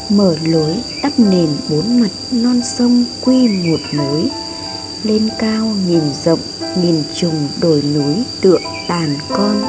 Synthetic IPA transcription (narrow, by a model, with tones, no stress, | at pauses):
məː˧˩ləː˨˦jt̪a˦˥p̚ne˨˩nɓo˨˦nmə˨˩t̚nɔ˧nsə˧wŋ͡mkwi˧ŋo˨˩t̚mo˨˦j | le˧nkaː˧wŋi˨˩nzə̰˧˨wŋ͡mŋi˨˩nt͡ɕʊ˨˩ŋ͡mɗo˧˩jnu˨˦jt̪ɨ̰˧˨əŋt̪aː˨˩nkɔ˧n